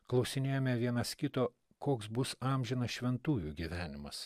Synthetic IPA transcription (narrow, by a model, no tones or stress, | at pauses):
klˠɐʊsʲɪnʲeːjoːmʲɛʋʲiɛnɐskʲɪt̪oː | koːksbʊsɑmʲʒʲɪnɐsʃʲʋʲɛnt̪uːjuːɡʲiʋʲæːnʲɪmɐs